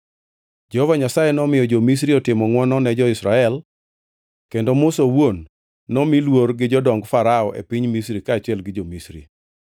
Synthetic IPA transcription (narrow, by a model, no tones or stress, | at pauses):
d͡ʒɛhɔvaɲasajɛnɔmɪjɔd͡ʒomis̬ɾiɔtɪmɔŋwɔnɔnɛd͡ʒɔɪsɾaɛl | kendomʊsowonː | ɔmilworɡɪd͡ʒɔdɔŋɡfaɾaɔʔḛpiɲmis̬ɾikaːt͡ʃɪɛlɡɪd͡ʒomisɾḭ